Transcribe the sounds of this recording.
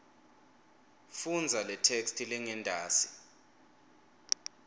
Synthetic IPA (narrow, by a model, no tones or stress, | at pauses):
fund͡zʱalɛtʰekstʰilɛŋɛndʱaːsi̥